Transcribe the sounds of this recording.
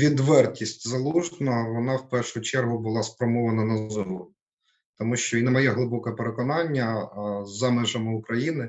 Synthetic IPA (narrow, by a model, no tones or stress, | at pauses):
ʋʲid̪ʋɛrtʲisʲtʲzɐlˠuʒnɐʋɔnɑwpɛrʃʊt͡ʃɛrɦʊbʊlˠɑspɾɔmɔʋɐnɐnɐzɔɾʊ | t̪ɔmuʃt͡ʃɔinɛmɐjɛɦlˠɪbɔkɛpeɾekɔnɑnʲːɐzɐmɛʒɐmɪʊkɾɐjinɪ